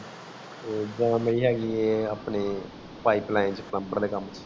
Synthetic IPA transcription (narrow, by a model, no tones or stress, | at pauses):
d͡ʒãːmeiːɦɛːɡieːaːpneː | paːiːplãːɪ̃nt͡ʃpləmbəɾd̪eːkəmt͡ʃʰ